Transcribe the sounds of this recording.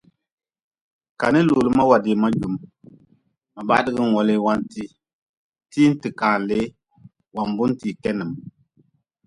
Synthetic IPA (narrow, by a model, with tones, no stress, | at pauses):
ka˨ni˦lo˨lɨ˦ma˦wa˨di˨ma˦d͡ʒu˨m | ma˨ba˦dɨ˦ɡɨ˦˨ɔ˨le˦wa˦nti˦ | ti˦n̩˦tɨ˨kaː˨n˨le˨˦ | wa˨m˨bu˦n˦ti˨kɛ˦nɨ˨m